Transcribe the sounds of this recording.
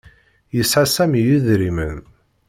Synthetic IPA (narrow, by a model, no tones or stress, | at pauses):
jəsʕasæmijuðɾimən